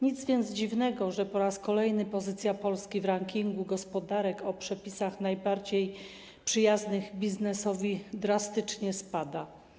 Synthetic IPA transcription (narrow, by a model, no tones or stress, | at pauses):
ɲid̪zvʲjɛnd̪zd͡ʑivnɛɡɔʐɛpɔɾaskɔlɛjnɘpɔzɘt̪sʲjapɔlskʲivɾaŋkʲiŋɡuɡɔspɔd̪aɾɛkʰɔpʂɛpʲisaxnajbaɾd͡ʑej | pʂɘjaznɘɣbʲiznɛsɔvʲid̪ɾast̪ɘt͡ʂɲɛspad̪a